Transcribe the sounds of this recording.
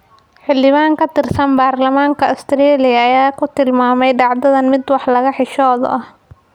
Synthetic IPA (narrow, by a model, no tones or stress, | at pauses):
ħɪldɪβaːŋkʰɐt̪ʰɪrsɐnbaːrlɐmaːŋkʰɐʊst̪ʰɪɾɛːlɪjɐːjaːkʰʊt̪ʰɪlmaːmɛjɖɑʕd̪ɐðɐnmɪd̪wɑħlɐɣɐħɪʃɔːðɔ̰ʔɐh